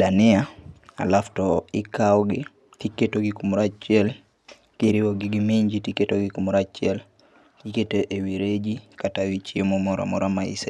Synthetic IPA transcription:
danɪaa̰laftɔɪkawɔɡɪ | tiketoɡikumɾat͡ʃiɛl | kiɾiwoɡɪɡɪmeɲd͡ʒitiketoɡɪkumɾat͡ʃɪɛl | kiketeʔewiɾed͡ʒikatawit͡ʃiemomɔɾa̰mɔɾamaḭsa

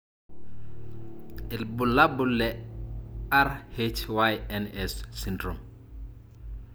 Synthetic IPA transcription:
ilbulːabulːɛ | aɾhet͡ʃwajɛnɛsːindɾɔm

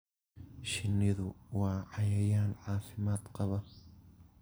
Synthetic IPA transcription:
ʃɪnːɪðʊwaːʕajaːjaːnʕaːfɪmaːt̪qɑβɑɾ

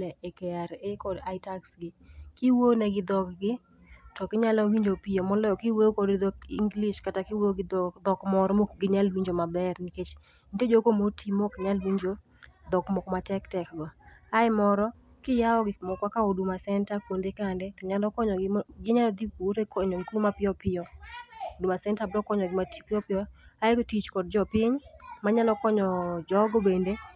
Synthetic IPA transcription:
ɛʔɛkɛaɾekɔdaɪtaksɡɪkɪwonɛɡɪd̪ɔkɡɪ | tɔkɪɲalɔwiɲd͡ʒopijomɔlɔɔkɪweokɔdd̪ɔkḭŋɡliʃkatakɪwoɡɪd̪ɔkmɔɾɔmokɡɪɲalwiɲd͡ʒomabɛrniket͡ʃ | nted͡ʒokomotʰimokɪɲalwiɲd͡ʒo | d̪ɔkmɔkmatɛktɛkɡwaaɪmɔɾɔ | kɪjaɔɡɪmɔkwakaodumasɛntakwondekandɛtɔɲalɔkɔɲɔɡɪɲalɔd̪ikowotokɔɲɔɡɪkumapɪɔpɪɔodumasɛntabdɔkɔɲɔɡɪmatipɪɔpɪɔaɪktit͡ʃkɔdd͡ʒɔpɪɲmaɲalɔkɔɲɔd͡ʒɔɡɔbende

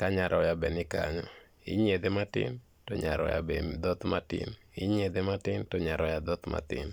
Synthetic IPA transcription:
kaɲaɾʔɔjabɛnɪka̰ɲɔ | ɪ̰ɲed̪ematɪ̰n | tɔɲaɾɔ̰ja̰bed̪ɔt̪matɪ̰niɲed̪ematɪntɔɲaɾɔjad̪ɔt̪mʔa̰t̪ɪ̰n

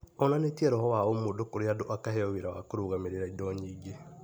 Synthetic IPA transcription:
ɔnanetiɛɾɔɦɔwaomodokoɾeadoʔakaɦɛɔweɾawakoɾuɣameɾeɾaidɔːɲiɡe

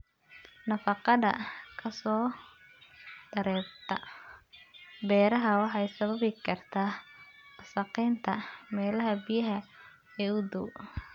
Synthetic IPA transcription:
nɐfɑqɑðɐ̰kʰɐsɔː | d̪̥ɐɾɛːb̚t̪ʰɐ | bɛːɾɐɦɐwɑħɑjsɐβɐβɪkʰɐrt̪ʰaː | sɑqiːnt̪ʰɐmɛːlɐɦɐbijɐɦɐ | ɛːʊd̪ʊ

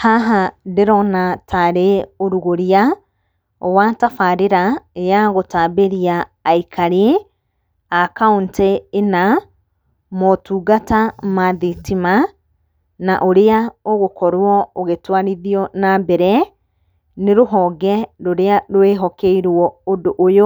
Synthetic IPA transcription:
haɦadeɾɔnatʰaɾeoɾuɣoɾea | watafaɾeɾajaɣotaːbeɾiaːikʰaɾee | akaunteːna | mɔtuːɡatamaðitima | naʔoɾeaoɣokɔɾwɔoɣetwaɾiðiɔnabɛɾɛ | neɾoɦɔɣɛɾoɾeaɾoeɦɔkeiɾwɔodoʔːjo

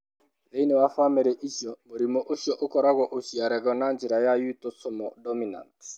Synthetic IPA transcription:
ðeinɛwafwamɛɾɛʔiʃjɔmoɾimɔʔoʃjɔʔokɔɾaɣɔʔoʃiaɾɛɣɔnand͡ʒiɾajajutɔsɔmɔdɔmina̰nt

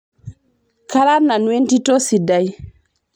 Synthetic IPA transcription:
kaɾanːanwentitɔsidaj

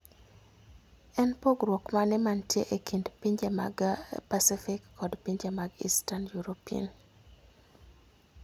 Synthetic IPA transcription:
ɛnpoɡɾokmanɪmantjeʔekindpiɲd͡ʒama̰ɡpasifɪkːɔdpiɲd͡ʒamaɡḭstanjuɾopia̰n

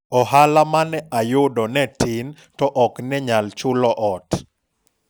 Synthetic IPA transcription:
ɔhalamanɛajʊdɔnɛtɪn | tɔʔɔknɛɲalt͡ʃʊlɔʔɔt

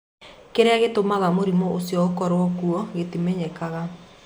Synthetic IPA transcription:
keɾeaɣetomaɣamoɾimɔosjɔokɔɾwɔkuɔɣetimɛɲɛkaɣa

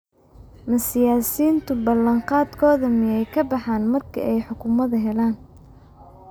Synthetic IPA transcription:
mɐsɪjaːsiːnt̪ʰʊbɐlɐɴqɑːd̪kʰɔːðɐmɪjɛjkʰɐbɑħaːnmɐrkʰɐ̰ʔɛjħʊkʰʊmɐðɐɦɛlaːn

